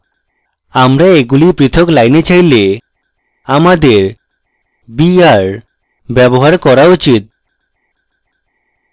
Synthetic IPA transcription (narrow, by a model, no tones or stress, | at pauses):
amɾaeɡulipɾit̪ʰoklajnet͡ɕajle | amad̪eɾ | biaɾ | bɛboɦaɾkɔɾaut͡ɕit̪̚